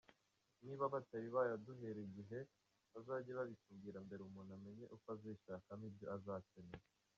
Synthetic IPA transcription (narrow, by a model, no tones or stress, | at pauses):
niːβaβataβiβajaduɦeɾiɟiɦe̞ | βazaɟeβaβisumɡiːɾambe̞ɾeumuːname̞ɲe̞ʔukoaziʃaːkamibjoazaːteneɾa